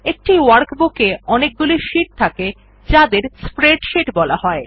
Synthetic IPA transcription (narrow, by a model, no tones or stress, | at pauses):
ek̚ʈiwaɾkbukeɔnek̚ɡuliʃiʈ̚t̪ʰake | d͡ʑad̪eɾspɾeɖʃeʈbɔla̰ɦɔe